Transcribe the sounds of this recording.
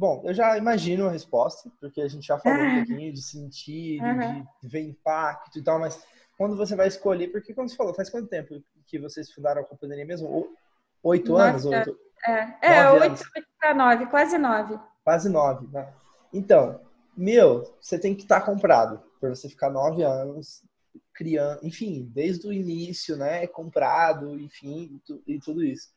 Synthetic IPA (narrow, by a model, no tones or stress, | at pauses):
bõw̃ewʒaimaʒĩnʊɐɦespɔst̪ɐpoɾkeaʒẽnt͡ʃɪʒafaloũpokĩɲʊd͡ʒɪsẽt͡ʃiʊ̃ɪveɾĩpak̪t̪ʊit̪awmɐs | kw̃nd̪ʊvos̬evajɪskoʎepoɾkekw̃d̪ose̥falofajskwɐ̃t̪ʊt̪ẽmpʊ | kɪvosesfũnd̪aɾɐ̃ɐkõpɐ̃d̪eɾiɐmezmʊo | ojt̪ʊɐ̃nʊs̬ojt̪ʊ | ɛɛnɔvoj̃nʊsanɔvɪkwazɪnɔvɪ | kwazɪnɔvɪnɛ | ẽt̪ɐ̃w̃ | mewvoset̪ẽj̃kɪ̥t̪aɾkõmpɾa̰d̪ʊpɾvosefi̥kanɔvɪɐ̃nʊs | kɾiɐ̃ẽfĩd̪ejzd̪ʊinisjʊnɛkõmpɾad̪ʊẽj̃fĩt̪uɪt̪ud̪ʊisʊ̥